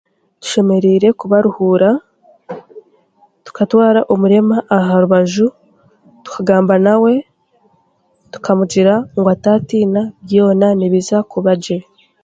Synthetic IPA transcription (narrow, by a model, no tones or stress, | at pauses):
tu̥ʃe̞me̞ɾiɾe̞kuβaɾuhuːɾa | tu̥katwaːɾaʔomuɾe̞maʔaɦaɾuβaʒu | tu̥kʰaɡaːmbanawe̞ | tu̥kamuɟiɾaŋɡoataːtiːnabjo̞ːnaniβizakuβaɟe